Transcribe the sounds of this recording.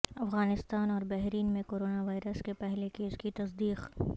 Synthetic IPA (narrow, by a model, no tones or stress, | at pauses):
ɐfɣaːnɪst̪aːnɔːɾbɛɦɾiːnmẽkoːɾoːnaʋaːɪɾəskepɛɦlekeːskit̪ɐsd̪iːq